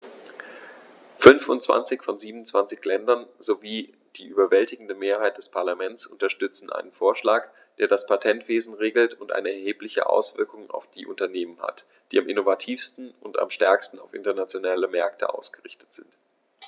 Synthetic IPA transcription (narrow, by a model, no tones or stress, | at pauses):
fʏnfʊ̰ntt͡sv̥a̰nt͡sɪçfɔnziːbm̩ʊnt͡sv̥ant͡sɪçlɛndɐnzoviː | d̥iːʔyːbɐvɛltɪɡŋ̩dəmeːɐhaɪt̚d̥ɛspʰaɐlamɛnt͡sʔʊntɐʃtʏt͡sn̩ʔa̰ɪnənfoːɐʃlaːk | d̥eːɐɾaspʰatʰɛntv̥eːzn̩ʁeːɡl̩tʰʊntʔa̰ɪnəɛɐheːplɪçə̰ʔa̰ʊsv̥ɪɐkʊŋa̰ʊfd̥iːʔʊ̰ntɐneːmənha̰t | d̥iːamʔɪnovatʰiːfstn̩ʊnta̰mʃtɛɐkstn̩aʊfɪ̰ntɐnat͡sjonaːləmɛɐktʰə̰ʔa̰ʊsɡ̥əʁɪçtə̥tz̥ɪnt